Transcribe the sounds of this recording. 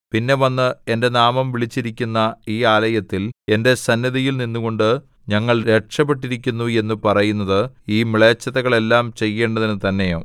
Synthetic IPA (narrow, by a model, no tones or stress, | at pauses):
pinːe̞ʋɐnːɨe̞ndenaːmɐmʋiɭit͡ɕːiɾikʲːunːɐiːaːlɐjɐt̪ːile̞nde̞sɐnːɐðijilninːuɣo̞ɳɖɨ | ɲɐŋːɐɭɾe̞ʈʂɐpːe̞ʈ̬ːiɾikʲːunːue̞nːupɐrɐjunːɐðɨiːmiɭeːt͡ɕːɐðɐɣɐɭe̞lːaːmt͡ɕe̞jːe̞ːɳɖɐðinɨt̪ɐnːe̞jo̰ː